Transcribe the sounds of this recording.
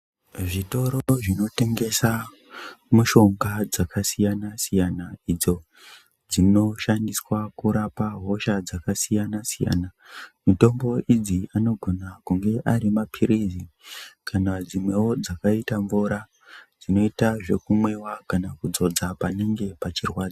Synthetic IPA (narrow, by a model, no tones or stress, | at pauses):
ʐito̞ɾoʐino̞te̞ŋɡe̞sa | muʃo̞ŋɡad͡zakasijanasijanaid͡zo̞ | d͡zino̞ʃandiswakuɾapaɦo̞ʃad͡zakasijanasija̰ːnamito̞mbo̞id͡ziano̞ɡʱo̞nakuŋɡe̞ʔaɾimapʰiɾizikʰanad͡zimwe̞od͡zakaitaɱvuɾa | d͡zino̞itaʐe̞kumwe̞wakanakud͡zo̞d͡zapaneŋɡe̞pat͡ʃirwaːd͡za